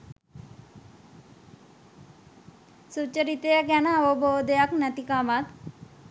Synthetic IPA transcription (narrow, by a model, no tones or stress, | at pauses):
sut͡ʃəɾit̪ejəɡɛnaːʋobʱod̪ejaknət̪ikamat̪